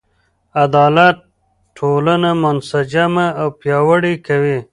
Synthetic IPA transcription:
ad̪ɑːlat̪̚ | ʈʰːoːlanamʊnsad͡ʒamaawpjɑːwəɽikawi

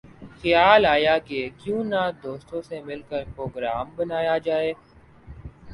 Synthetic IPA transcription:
xəjaːlaːjakekjũːnad̪oːst̪õsemɪlkəɾpɾoːɡɾaːmbɐnaːjad͡ʒaːeː

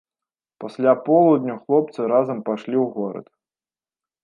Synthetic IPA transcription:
pasʲlʲapɔlˠud̪nʲuxlˠɔp̚t̪sɨɾazɐmpaʂlʲiwɣɔɾɐ̰t̪

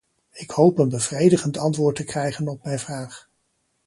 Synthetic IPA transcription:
ɪkhowpənbəvrejdəχəntɑntʋʊːɹtəkrɛjχənɔp̚mɛjnvraːχ

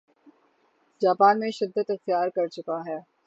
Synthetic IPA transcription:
d͡ʒaːpaːnmẽʃɪd̪ːət̪ɐxt̪ijaːɾkɐɾt͡ʃʊkaɦɛː

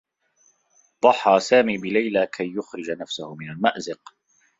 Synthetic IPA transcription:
d̪ˤɑħːɑːsaːmiːbɪlajlakʰajːʊxɾɪd͡ʒanafsʊhʊmɪnalmaʔzɪq

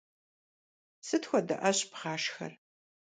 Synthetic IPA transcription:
sɨtʰxʷɔdɐ̰ʔɐɕpʁɑːʃxɐ̰r

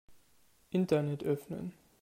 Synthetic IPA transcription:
ʔɪntɐnɛtʔœfnə̰n

